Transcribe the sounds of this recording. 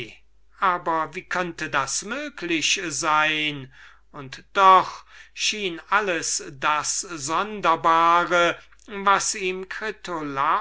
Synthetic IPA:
ʔaːbɐviːkʰœntədasmøːkʰlɪɕzaɪn | ʊntd̥ɔχʃiːnʔaləsdaszɔndɐbaːʁə | vasiːmkʁɪtʰola

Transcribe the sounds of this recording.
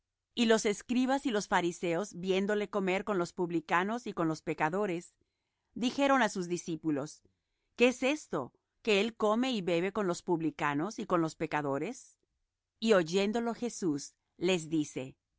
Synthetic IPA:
ilo̞se̞skɾiβasilo̞sfaɾise̞o̞zbje̞nd̪o̞le̞ko̞me̞ɾko̞nlo̞spuβlikano̞siko̞nlo̞spe̞kaðo̞ɾe̞s | d̪ixe̞ɾo̞nasuzðisipulo̞s | keese̞st̪o̞̰ | ke̞elko̞me̞iβe̞βe̞ko̞nlo̞spuβlikano̞siko̞nlo̞spe̞kaðo̞ɾe̞s | io̞ʝe̞nd̪o̞lo̞xe̞sus | le̞zðise̞̰

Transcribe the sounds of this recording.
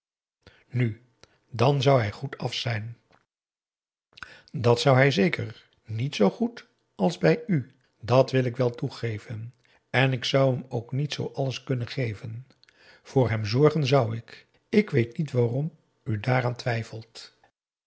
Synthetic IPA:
ny | dɑnzʌwɦɛjχutʰɑfsɛjn | dɑtsʌwɦɛjzejkər | nitsowχut | ɑlˠzbɛjy | dɑtʋɪlɪkʋɛlˠtuχejvən | ɛnɪksʌwəmowknitsowʔɑləskɵnənχejvən | v̥ʊːɹɦɛmzɔɹχənzʌwɪk | ɪkʋejtnitʋaːrɔm | ydaːraːntʋɛjfəlˠt

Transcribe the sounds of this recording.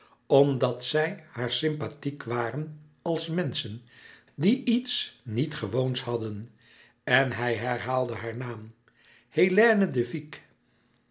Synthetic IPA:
ɔmdɑtsɛjhaːɹsɪmpatikʋaːrən | ɑlˠsmɛnsən | diʔitsnitχəʋownshɑdən | ɛnɦɛjɦɛɹɦaːlˠdəɦaːɹnaːm | helɛːnədəvik

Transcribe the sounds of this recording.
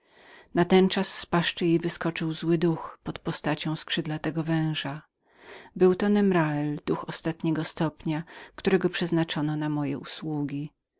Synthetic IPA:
nat̪ɛnt͡ʂasːpaʂt͡ʂɘjejvɘskɔt͡ʂɘwzwɘd̪uxpɔt̪pɔst̪at͡ɕɔ̃w̃skʂɘd̪lat̪ɛɡɔvɛ̃w̃ʐa | bɘwt̪ɔnɛmɾaɛld̪̥uxɔst̪at̪ɲɛɡɔst̪ɔpɲakt̪uɾɛɡɔpʂɛznat͡ʂɔnɔnamɔjɛʔuswuɡʲi

